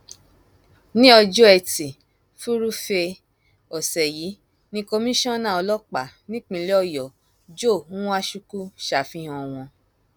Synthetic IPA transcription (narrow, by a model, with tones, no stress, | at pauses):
nĩ˦ɔ˧d͡ʒo˦ɛ˧˨ti˨ | fu˦ɾu˦fe˧ | ɔ˨sɛ˨ji˨˦ | nĩ˧˦ko˧mĩ˦ʃɔ̃˦nã˦˨ɔ˧lɔ˦k͡pa˨nĩ˦k͡pĩ˧lɛ˦ɔ˦˨jɔ˨ | d͡ʒo˦˨ũ˦wa˦ʃu˧˦ku˦ʃa˨fĩ˦hɔ̃˧w̃ɔ̃˧